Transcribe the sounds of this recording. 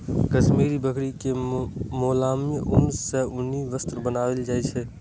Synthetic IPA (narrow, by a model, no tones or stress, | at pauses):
kəʃmiːɾibəkɽikemoːlaːmjəʔʊmseʊniʋəst̪ɾbənaːweld͡ʒaːit͡ʃʰeː